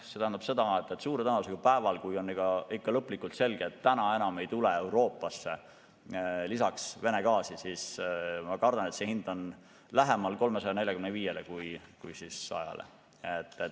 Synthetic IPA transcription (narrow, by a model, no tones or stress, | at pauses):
se̞t̪æɦænd̪ɑb̥se̞d̪ɑet̪ːˑet̪ːsuːɾet̪ænɑusekupæevɑlkujo̞nːiɡ̥ɑikːɑlɤpːˑlikːult̪se̞lɡ̥eːt̪ːænɑe̞nɑme̞jt̪uleewɾo̞ːpːˑɑsːe̞ | lisɑksve̞ne̞kɑːsisismɑkɑrd̪ɑnet̪sehind̪o̞n | læɦemɑlko̞lme̞sɑjɑne̞lʲjɑkymneviːje̞lekujkujsisɑ̰jɑ̰lḛ | et̪ːe